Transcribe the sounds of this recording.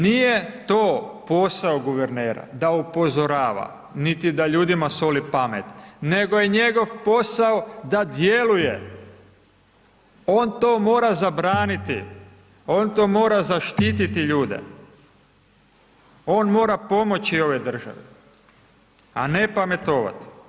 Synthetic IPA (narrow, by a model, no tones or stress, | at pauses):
nijet̪oːpo̞saoɡuʋeɾneːɾa̰d̪aupo̞zo̞ɾaːʋa̰ | nit̪id̪aʎuːd̪imaso̞lipamet̪ne̞ɡojeɲe̞ɡo̞ʋpo̞saod̪ad̪je̞luje̞̰ | oːnt̪o̞ːmo̞ːɾazabɾaːnit̪ḭ | o̞ːnt̪o̞ːmo̞ːɾazaʃt̪iːt̪it̪iʎuːd̪e̞̰ | o̞ːnmo̞ːɾapo̞mo̞t͡ɕio̞ʋe̞d̪r̩ʒa̰ʋi | a̰ne̞pamet̪o̞ːʋa̰t̪i̥